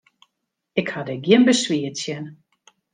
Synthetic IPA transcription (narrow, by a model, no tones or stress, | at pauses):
ɪkhadɛɡjɪnbəsʋiətsjɛn